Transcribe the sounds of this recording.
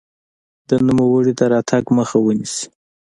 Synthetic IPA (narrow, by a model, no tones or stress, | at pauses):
d̪ənumawəɽit̪aɾɑt̪ʰaɡməxawənisi̥